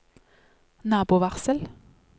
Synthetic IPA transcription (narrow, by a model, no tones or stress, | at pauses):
nɑːbʊːʋæʁsəl